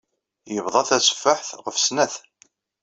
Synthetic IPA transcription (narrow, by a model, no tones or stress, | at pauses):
jəvðˤɑθæsə̥fːəħθʁəfsnæθ